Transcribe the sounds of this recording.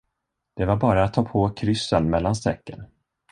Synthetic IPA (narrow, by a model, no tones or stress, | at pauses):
d̪̥ɛvaɾbɑːɾaːt̪ʰːɑːpʰokʰɾʏsːənmɛlːanst̪ɛkːə̰n